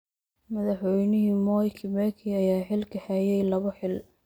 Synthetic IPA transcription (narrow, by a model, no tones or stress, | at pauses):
mɐðɑħwɛjnɪɦimɔːjkʰɪmɛkʰiɐjaːħɪlkʰɐħɛjɛjlɐβɔħɪl